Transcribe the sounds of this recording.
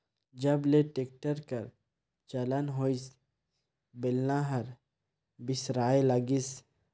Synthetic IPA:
d͡ʒəbleʈek̚ʈəɾkəɾ | t͡ʃɐlənɦois | belnaɦɐɾ | bɪsɾaːelaɡis

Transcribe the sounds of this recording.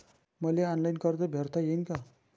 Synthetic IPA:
mʌleanlajnkʌrd̪ʌbʱert̪ajenkʌ

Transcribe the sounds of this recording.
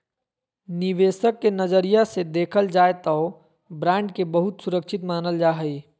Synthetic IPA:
niʋeːsəkːenəd͡ʒəɾijased̪eːkʰəld͡ʒaet̪əʊ | bɾãɳɖkebəɦut̪suɾəkt͡ʃʰit̪maːnəld͡ʒaːɦəi

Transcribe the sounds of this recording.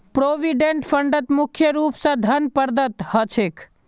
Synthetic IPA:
pɾoːʋiɖẽɳʈpʰəɳɖət̪mʊkʰjəɾuːpsãd̪ʱənpəɾd̪ʱət̪hət͡ʃʰekʰ

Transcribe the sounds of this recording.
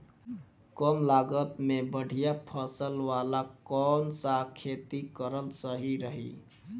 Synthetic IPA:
kəmlaɡət̪mebəɽ̤ʱijapʰəsəlwalakɔnsakʰet̪ikəɾəlsəɦiɾəɦḭ

